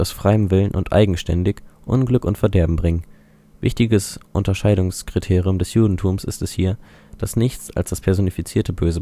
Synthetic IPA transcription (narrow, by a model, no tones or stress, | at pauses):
aʊsfʁ̥aɪəmvɪlənʔʊ̰ntʔa̰ɪɡŋ̩ʃtɛ̰ndɪçʔʊ̰nɡlʏkʊntfɛɐdɛɐbm̩bʁɪŋən | vɪçtɪɡəsʔʊntɐʃaɪɾʊŋskʁ̥itʰeːʁiʊmdɛsjuːdn̩tʰuːmsɪ̰stɛshiːɐ | d̥asnɪçt͡sa̰lsd̥aspʰɛɐzonifit͡siːɐtʰəbøːzə